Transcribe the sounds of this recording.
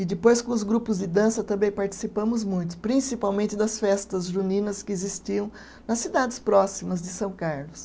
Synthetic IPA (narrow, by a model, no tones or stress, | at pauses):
ɪd̪ɪpojskõʊzɡɾupʊzd̪ɪd̪ɐ̃sɐt̪ɐ̃mbẽj̃paɾt͡ʃi̥sipɐ̃mʊzmũj̃t̪ʊ̥pɾĩsipawmẽnt̪ɪd̪ɐsfɛst̪ɐzʒunĩnɐskɪezist͡ʃiɐ̃w̃ | nɐsːid̪ad̪ɪspɾɔsimɐzd̪ɪsɐ̃w̃kaɾlʊs